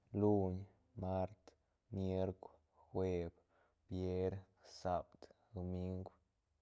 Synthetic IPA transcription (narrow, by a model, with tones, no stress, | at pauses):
lu˦ɲ | ma˦ɾt̪ | mje˦ɾkʷw | xwe˧b | b̥je˦ɾ | sa˧bd̪d̪o˧mi˦ŋɡʷ